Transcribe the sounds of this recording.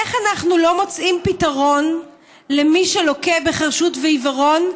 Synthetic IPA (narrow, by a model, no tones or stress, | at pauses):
eχanaχnulo̞mo̞t͡sʔimpitaʁo̞n | lemiʃelo̞kebeχaʁʃutveivaʁo̞n